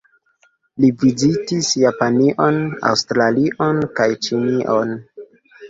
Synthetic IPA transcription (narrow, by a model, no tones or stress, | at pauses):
livizitisjapaniʔona̰wstɾaliʔonkajt͡ʃiniʔon